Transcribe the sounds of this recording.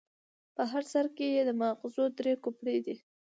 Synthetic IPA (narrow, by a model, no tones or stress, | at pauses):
pəɦaɾsaɾkejed̪əmɑqɪzod̪ɾekupɽed̪i